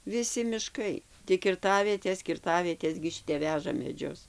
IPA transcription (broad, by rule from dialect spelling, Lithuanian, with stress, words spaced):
ʋʲɪˈsʲɪ mʲɪˈʃkɐɪ tʲɪk kʲɪrˈtɑːʋʲiɛtʲeːs kʲɪrˈtɑːʋʲiɛtʲeːs ɡʲɪ ˈʃʲɪtʲɛp ˈʋʲæːʒɐ mʲɛˈd͡ʒʲʊs